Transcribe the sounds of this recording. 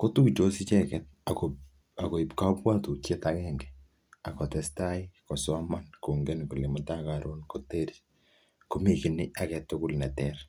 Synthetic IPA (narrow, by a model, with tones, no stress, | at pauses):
ko˦tu˦t͡ʃo˦si˦t͡ʃɛkɛt̚a˨ko | a˨ko˨i˨pka˦pwa˦tu˨kje˦takɛŋɡɛ̥ | a˨kɔ˨tɛ˦sta˦ikɔ˨sɔ˦ma˦nko˨ŋɡe˦nku˨le˨mɔ˨ta˦kaɾʔonko˨te˦ɾi | ko˦miki˨nia˦kɛ˨tʊ˦kʊ˦lnɛ˨tɛɾ